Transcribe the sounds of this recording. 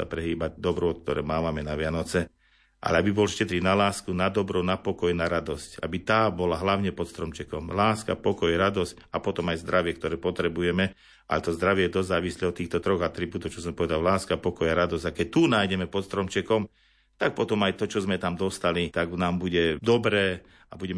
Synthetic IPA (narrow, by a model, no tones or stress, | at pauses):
sa̰pɾɛɦiːbaɟ̚d̪ɔbɾɔɔt̪k̚t̪ɔɾɛ̰ːmaːʋamɛnaʋɪanɔt͡sɛ | ʔa̰lɛabibɔlʃcɛt̪ɾinalaːskunad̪ɔbɾɔnapɔkɔjnaɾad̪ɔsca̰bit̪aːbɔlaɦlaʊɲɛpɔt̪st̪ɾɔmt͡ʃɛkɔmlaːska̰pɔkɔjaɾad̪ɔscapɔt̪ɔmajzd̪ɾaʋɪɛk̚t̪ɔɾɛːpɔt̪ɾɛbujɛmɛ | ʔa̰lɛt̪ɔzd̪ɾaʋɪɛɛd̪ɔzzaːʋislɛɔt̪ːiːxt̪ɔt̪ɾɔɣat̪ɾibuːt̪ɔʊt͡ʃɔs̬ɔmpɔʋɛd̪allaːskapɔkɔjaɾad̪ɔzɟakɛc̚t̪unaːjɟɛmɛpɔt̪st̪ɾɔmt͡ʃɛkɔm | t̪ak̚pɔt̪ɔmajt̪ɔt͡ʃɔzmɛt̪amd̪ɔst̪alit̪aɡnaːmbuɟɛd̪ɔbɾɛː | abuɟɛm